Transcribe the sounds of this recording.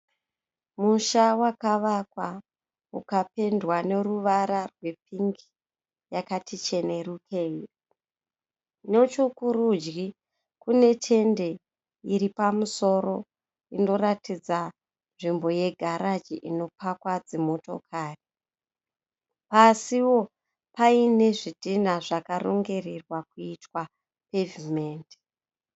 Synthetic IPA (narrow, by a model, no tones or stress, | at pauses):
muʃawakaʋakwa | ukape̞ndwane̞ruʋaɾarwe̞piŋɡi | jakatʰit͡ʃe̞ne̞rukʰe̞ːji | no̞t͡ʃokuɾud͡ʒɡi | kune̞tʰe̞nde̞ | iɾipamuso̞ɾo̞ | ino̞ratid͡za | nʐimbo̞je̞ɡʱaɾad͡ʒiʔino̞pakwad͡zemo̞to̞̰kʰaːri | pasiwo̞ | paine̞ʐidʱinaʐakaro̰ŋɡe̞rirwakuitwa | pevimeːnd